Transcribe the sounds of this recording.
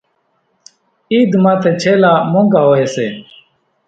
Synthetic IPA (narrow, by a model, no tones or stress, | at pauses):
iːd̪mãːt̪ʰeːt͡ʃʰeːlaːmõːŋɡaːɦoːɦeːseː